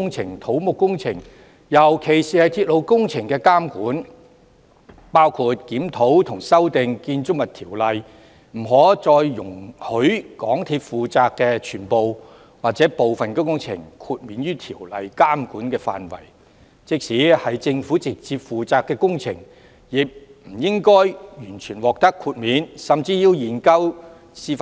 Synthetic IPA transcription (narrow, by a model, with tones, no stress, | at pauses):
ʊ˥ŋt͡sʰɪ˨˩ŋt̪ʰo˨˥wmʊ˨kːʊ˥ŋt͡sʰɪ˨˩ŋ | jɐ˨˩wkʰe˨˩jsiː˨hɐ˨˩jt̪ʰiː˧t̚lo˨˧wkʊ˥ŋt͡sʰɪ˨˩ŋkɛː˧kaː˥mkuː˨˥n | paː˥wkʰuː˧t̚kiː˨˥mt̪ʰo˨˥wt̪ʰʊ˨˩ŋsɐ˥wt̪ɪ˨˧ŋkiː˧nt͡ʃʊ˥k̚mɐ˨t̪ʰiː˨˩wlɐ˨j | m̩˨˩ɦɔː˨˥t͡sɔː˧jːʊ˨˩ŋhɵ˨˥ɥkɔː˨˥ŋt̪ʰiː˧p̚fuː˨t͡saː˧kːɛː˧t͡ʃʰyː˨˩npo˨w | waː˨k̚t͡sɛː˨˥po˨wfɐ˨nkɛ˧kʊ˥ŋt͡sʰɪ̰˨˩ŋkʰuː˧t̚miː˨nɥyː˥t̪ʰiː˨˩wlɐ˨jkaː˥mkuː˨˥nkɛː˧fa̰ː˨nwɐ̰˨˩j | t͡sɪ˨˧k̚siː˨˥hɐ˨jt͡sɪ˧ŋfu˨˥t͡sɪ˨k̚t͡siː˧p̚fuː˨t͡saː˨kːɛː˧kʊ˥ŋt͡sʰɪ˨˩ŋ | jɪ˨k̚m̩˨˩jɪ˥ŋkɔː˥jjyː˨˩nt͡ʃʰyː˨˩nwɔː˨k̚t̪ɐ˥kʰːuː˧t̚miː˨˥nsɐ˨mt͡siː˧jiː˧wjiː˨˩nkɐ˥w | siː˧f